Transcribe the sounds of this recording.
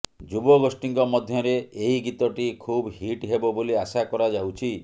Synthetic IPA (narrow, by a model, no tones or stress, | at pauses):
d͡ʒubɔɡosʈiŋkɔmɔd̪ʱjɔɾeeɦiɡit̪ɔʈikʰubɦiʈɦebɔboliasakɔɾad͡ʒawt͡ʃʰi